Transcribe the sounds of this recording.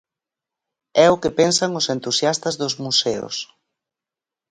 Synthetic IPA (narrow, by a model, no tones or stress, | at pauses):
ɛʊkɪpensɐŋʊsent̪usjast̪ɐzðʊzmusɛʊ̰s